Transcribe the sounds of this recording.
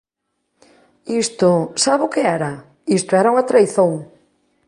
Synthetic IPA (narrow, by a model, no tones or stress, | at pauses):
ist̪ʊsaβʊkɪɛɾa | ist̪ʊɛɾauŋat̪ɾajθõŋ